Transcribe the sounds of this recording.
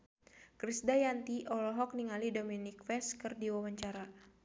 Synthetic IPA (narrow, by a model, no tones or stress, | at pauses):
kɾisdajant̪iʔɔlɔɦɔk̚niŋalidominikfɛskɨrdiwawaɲt͡ʃaɾa